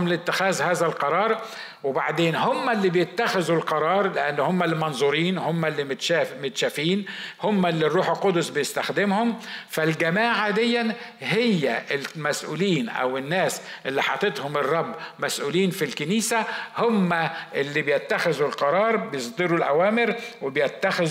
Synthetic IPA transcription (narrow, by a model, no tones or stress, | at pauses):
mlɪt̪ːɪxæːzhaːzælqɑɾˤɑːɾˤ | wɪbaʕd̪eːnhʊmːælːibjɪt̪ːaxɪzulqɑɾˤɑːɾˤlɪʔanːhʊmːalmɑnzˤuːɾiːnhʊmːælːit̪ːmɪt̪ʃaːfiːnhʊmːælːirːuːħɪlqʊd̪ʊsˤbɪjɪst̪axd̪ɪmhʊmfalɡamaːʕad̪ɪjːanɦɪjːæʔɪlmæsʔṵːliːnʔæ̰wɪnːæːsʔɪlːiħɑt̪ˤet̪hʊmɪrˤːɑbːmæsʔuːliːnfilkɪniːsahʊmːaʔɪlːibjɪt̪ːaxɪzulqɑɾˤɑːɾˤbɪjɪsˤd̪ɨɾulʔæ̰wæːmɪɾwɪbjɪt̪ːaxɪz